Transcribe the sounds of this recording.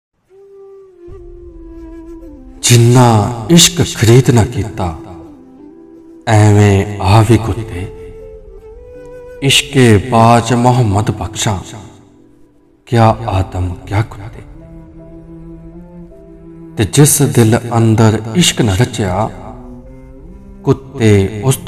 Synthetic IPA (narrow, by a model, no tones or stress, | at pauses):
d͡ʒɪnːaːɪʃkkʰəɾiːd̪naːkiːt̪aː | ɛ̃ːʋẽaːʋiːkʰʊt̪eː | ɪʃkeːbaːd͡ʒmɐɦəmːəd̪bʱɐkʃãː | kjaːaːd̪əmkjaːkʊ̥t̪ːeː | t̪ed͡ʒɪsd̪ɪlɐ̃nd̪əɾɪʃknaɾɐt͡ʃejaː | kʊt̪ːeʊst̪